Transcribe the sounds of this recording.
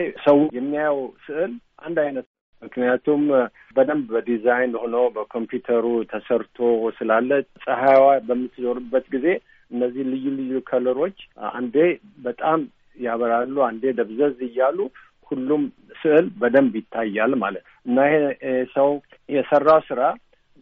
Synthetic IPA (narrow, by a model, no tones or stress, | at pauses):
səwjɛmːijajəwsɨʔɨlʔa̰nd̪ajnət̪ | mɨknijat̪ʰum | bəd̪əmbbəd̪izajnho̞nəwbəkʰo̞mpjut̪ʰəɾut̪ʰəsəɾt̪ʰosɨlalːət̪sʼəhajwabəmːɨt̪ːzo̞ɾɨbːət̪ɡize̞ | ɨnːəzːihlɨjːulɨjːukʰələɾo̞t͡ʃːa̰nd̪e̞ | bət̪ʼam | jaβəɾalːuand̪e̞d̪əβzəzɨjːalu | hulːum | sɨʔɨlbəd̪əmbjɪt̪ʰːajːalma̰lət̪ | ɨnːahesəw | jɛsərːawsɨɾa